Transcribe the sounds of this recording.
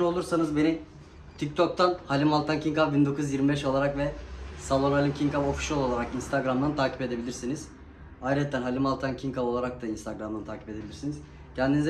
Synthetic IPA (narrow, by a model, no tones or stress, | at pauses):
no̞lˠuɾsanɯzbe̞ni | t̪ʰic̚t̪ʰo̞k̚t̪ʰanhalʲimalˠt̪ʰancʰiŋkavbind̪o̞kʰuzjiɾmibɛʃo̞lˠaɾakvɛsalˠo̞nalʲimcʰiŋkavo̞fi̥ʃjolˠo̞lˠaɾakinst̪ʰaɡɾamd̪ant̪ʰaːcʰi̥pe̞d̪e̞bilʲiɾsiniz̥ | ajɾɛt̪ʰːænɦalʲimalˠt̪ʰancʰiŋkavo̞lˠaɾak̚t̪ʰainst̪aɡɾamd̪ant̪ʰaːcʰipe̞d̪e̞bilʲiɾsiniz̥ | cʰɛnd̪iniz